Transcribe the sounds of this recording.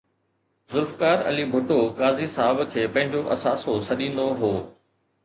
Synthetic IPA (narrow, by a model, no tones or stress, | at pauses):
zʊɾfkaːɾɐ̰libʱʊʈokaːzisaːbkʰeːpɐ̃ɦɪ̃ɲd͡ʑoʔɐsaːsosɐɗĩːnd̪oɦoː